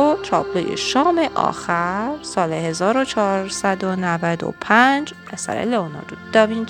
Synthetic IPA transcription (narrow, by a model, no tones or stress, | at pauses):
ot̪ʰɾɒːblojḛʃɒːmeʔɒ̰ːxæɾsɒːleɦezɒːɾot͡ʃʰɒɾsæd̪onævæd̪o̰pʰænd͡ʒ | æsæ̰ɾḛlonɒ̰d̪ud̪̥ɒvin